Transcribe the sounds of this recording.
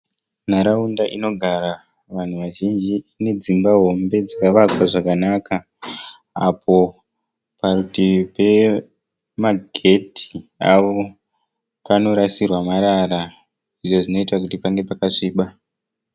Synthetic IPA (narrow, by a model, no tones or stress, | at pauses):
naɾaundaʔino̞ɡʱaɾa | ʋan̤uʋaʒind͡ʒiane̞d͡zimbaɦo̞mbe̞d͡zakaʋakwaʐakanaka | apʰo̞ | parutipe̞ | maɡʱe̞tʰi̥aʋo̞ | pano̞ɾasirwamaɾara | iʐoʐino̞itakutipaŋɡe̞pakaʂiːɓa